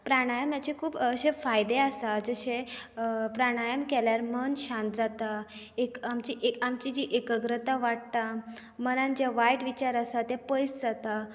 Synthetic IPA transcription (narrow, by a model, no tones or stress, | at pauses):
pɾaɽ̃ajəmjat͡ɕekʰuːbɕẽfajd̪easad͡zəɕẽ | pɾaɽ̃ajəmkɛljaɾmənɕãnt̪d͡zat̪a | ekamt͡ɕiʔeamt͡ɕid͡ʑiʔekəɡɾət̪aʋaɽ̚t̪amənãnd͡ʑaʋajʈʋit͡ɕaɾasat̪ɛpəjsd͡zat̪a